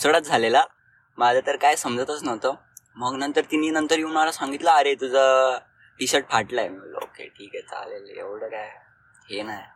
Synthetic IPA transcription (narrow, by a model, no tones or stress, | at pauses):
sɽət̪̚d͡zʱalela | mad͡zʱat̪əɾkajsəmd͡zʱət̪ət͡snəʋt̪ə | məɡnənt̪əɾt̪ininənt̪əɾjũːmalasãŋɡit̪ləːɾet̪ud͡zʱə | piɕəʈ̚faʈləjməɡlo̰kḛʈʰiːkɛt͡sa̰lelḛʋɽəkaj | ɦenaj